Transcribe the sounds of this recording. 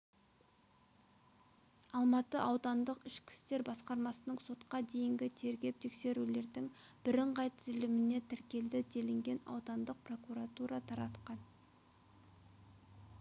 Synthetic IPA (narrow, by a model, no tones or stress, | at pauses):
ɑlˠmɑt̪əʔɑwd̪ɑnd̪əqɪʃkʲʰɪ̥st̪e̞ɾbɑsqɑɾmɑsənəɴso̞t̪qɑd̪e̞jɪŋɡʲɪt̪ʰe̞ɾɡʲe̞p̚t̪ʰe̞kse̞ɾule̞ɾd̪ɪŋb̥ɪɾɪɴʁɑjt̪ʰɪzɪlɪmɪne̞t̪ʰɪɾkʲe̞ld̪ɪd̪e̞lɪŋɡʲe̞nɑ̰wd̪ɑnd̪əq̚pro̞kuɾɑt̪uɾɑt̪ʰɑɾɑt̪qɑn